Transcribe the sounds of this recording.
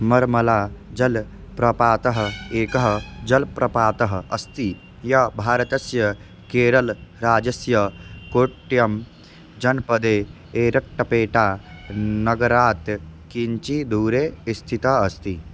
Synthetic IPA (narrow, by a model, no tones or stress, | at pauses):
mɐɾmɐlaːd͡ʒɐlpɾɐpaːt̪ɐɦɐeːkɐɦd͡ʒɐlpɾɐpaːt̪ɐɦɐɐst̪i | jɐbʱaːɾɐt̪ɐsjɐ | keːɾɐlɾaːd͡ʒɐsjɐkoːʈːjɐm | d͡ʒɐnpɐd̪eː | eːɾɐʈːɐpeːʈaːnɐɡɐɾaːt̪kiɲt͡ʃid̪uːɾeːist̪ʰit̪ɐɐst̪i